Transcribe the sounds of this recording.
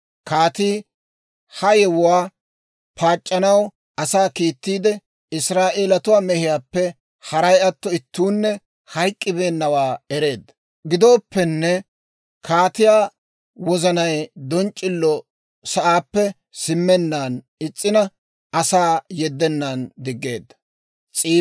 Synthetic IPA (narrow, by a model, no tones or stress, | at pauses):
kaːt̪iː | hɐjɛwʊwaː | pʰaːt͡ʃʼːɐnɐw | ɐsaːkiːt̪ːiːd̪ɛ | ɪsɾaːʔeːlɐt̪ʊwaːmɛhɪjaːpːɛ | hɐɾɐjɐt̪ːɔɪt̪ːuːnːɛ | hɐjkʼːɪbe̞ːnːɐwaːɛɾe̞ːd̪ɐ | ɡɪd̪oːpːɛnːɛ | kʰaːt̪ɪjaː | wɔzɐnɐjd̪ɔnt͡ʃʼːɪlːɔ | sɐʔaːpːɛ | sɪmːɛnːaːn | ɪt͡sʼːɪnɐ | ɐsaːjɛd̪ːɛnːand̪ɪɡːe̞ːd̪ːɐ | t͡sʼiː